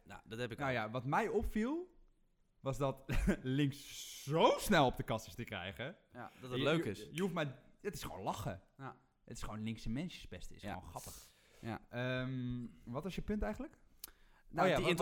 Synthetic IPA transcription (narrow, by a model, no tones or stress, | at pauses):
o̰dɔthɛpɪknojaʋɔtmɛjɔpfilˠ | ʋɑsdɔtlɪŋsz̥owsnɛlˠɔp̚dəkɑsəstəkrɛ̰jɣə | dɔtəløkɪsjəufmɛjətɪ̥sχəʋo̰ːnlɑχə | ətɪsχəʋownlɪŋsəmɛnsjəspɛstəɪ̰so̰nxɑpəx | əmʋɔtɔsjəpʏntɛjɣənlək | on